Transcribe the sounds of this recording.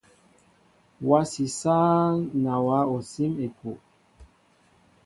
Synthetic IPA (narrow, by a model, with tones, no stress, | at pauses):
wa˦si˨saː˦ŋna˨wa˨˦o˨si˦me˨ku˨ʔ